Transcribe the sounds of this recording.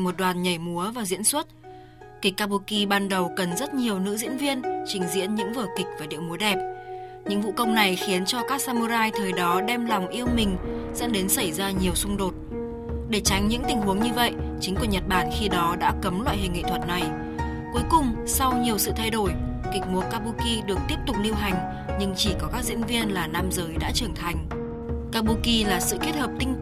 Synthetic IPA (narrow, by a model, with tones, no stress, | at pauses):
mo˨˩t̚ɗwaː˨˩nɲə˧˩jmu˨˦əvaː˨˩zḭ˧˥ənswə˦˥t̚ | kï˨˩k̟̚ːaː˧pu˧ki˧ɓaː˧nɗə˨˩wkə˨˩nzə˦˥t̚ɲi˨˩əwnɨ̰˧˥zḭ˧˥ənvi˧ənt͡ɕï˨˦ŋ̟zḭ˧˥ənɲɨ̰˧˥ŋvɨ˧˩kï˨˩k̚vaː˨˩ɗḭ˧˨wmu˨˦əɗɛ˨˩p̚ | ɲɨ̰˧˥ŋvṵ˧˨kə˧wŋ͡mna˨˩jxi˨˦ənt͡ɕɔ˧kaː˦˥k̚saː˧mu˧zaː˧jt̪ʰəː˨˩jɗɔ˨˦ɗɛ˧mlɔ˨˩wŋ͡mʔi˧əwmï˨˩ŋ̟zə̰˧˥ŋɗe˨˦nsa˧˩jzaː˧ɲi˨˩əwsʊ˧ŋ͡mɗo˨˩t̚ | ɗe˧˩t͡ɕa˨˦jŋɲɨ̰˧˥ŋt̪ï˨˩ŋ̟ɦu˨˦əŋɲɨ˧və̰˧˨jt͡ɕï˨˦ŋ̟ku˧˩ɲə˨˩t̚ɓaː˧˩˨nxi˧ɗɔ˨˦ɗa̰ː˧˥kə˨˦mlwa̰ː˧˨jhï˨˩ŋ̟ːḭ˧˨t̪ʰə˨˩t̚na˨˩j | ku˨˦jkʊ˨˩ŋ͡m | sa˧wɲi˨˩əwsɨ̰˧˨t̪ʰa˧jɗo˧˩j | kï˨˩k̚mu˨˦kːaː˧ɓu˧ki˧ɗɨ˨˩ək̚t̪i˦˥əp̚t̪ʊ˨˩k͡p̚li˧əwɦa˨˩jŋ̟ | ɲɨ˧ŋt͡ɕi˧˩kɔ˨˦kaː˦˥k̚zḭ˧˥ənvi˧ənlaː˨˩naː˧mzəː˨˦jɗa̰ː˧˥t͡ɕɨː˧˩əŋnt̪ʰa˨˩jŋ̟ | kaː˧ɓu˧ki˧laː˨˩sɨ̰˧˨ke˦˥t̚həː˨˩p̚t̪ï˧ŋ